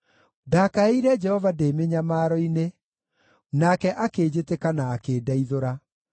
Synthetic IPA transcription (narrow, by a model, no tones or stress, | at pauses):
dakaeiɾɛd͡ʒɛhɔvadeːmeɲamaːɾɔine | nakɛʔakeːd͡ʑetekanaːkeːdaiðoɾa